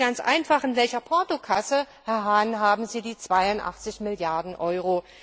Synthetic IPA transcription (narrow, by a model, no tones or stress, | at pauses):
ɡ̥ant͡sʔa̰ɪnfaχɪnvɛlçɐpʰɔɐtokʰasə | hɛɐɦaːnɦaːbm̩ziːdiːt͡sv̥aɪʊntʔa̰χt͡sɪçmɪljaɐdn̩ʔɔʏʁ̞o